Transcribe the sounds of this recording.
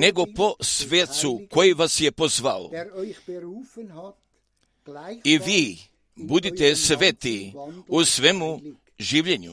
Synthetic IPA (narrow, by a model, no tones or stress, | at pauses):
neɡo̞po̞sʋet̪suko̞jiʋasjepozʋao̰ | iʋiː | bud̪it̪esʋet̪iusʋemu | ʒiːʋʎeɲṵ